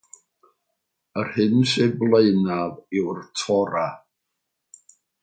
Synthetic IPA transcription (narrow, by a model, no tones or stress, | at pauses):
ərhɨnseblˠeɨnaðɪwrtʰɔɾa